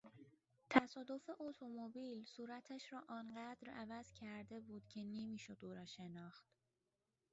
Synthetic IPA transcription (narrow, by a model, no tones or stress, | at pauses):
t̪ʰæsɒːd̪o̞fe̞ʔot̪ʰo̞mobiːlsuːɾæt̪ʰæʃɾɒːʔɒːnɢæd̪ɾævæz̥cʰæɾd̪e̞buːd̪̥cʰe̞nemiːʃo̞d̪uːɾɒːʃe̞nɒːxt̪